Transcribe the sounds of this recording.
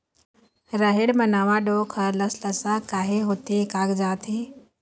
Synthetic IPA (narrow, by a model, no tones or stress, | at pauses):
ɾəɦeɽmənaːʋãɖoːkʰələsləsakaːɦeɦoːt̪ikaːɡd͡ʒaːt̪ʰiː